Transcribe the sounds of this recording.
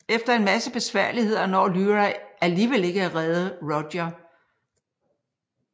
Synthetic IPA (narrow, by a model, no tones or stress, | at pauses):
efd̥ɐe̝nmæsəb̥e̝sʋæɐ̰lihe̝ð̞̰ˠɐnɒ̰ːlyʁaæliːʋele̝ɡ̥əæʁɛðˠəʁɒd̥ɐ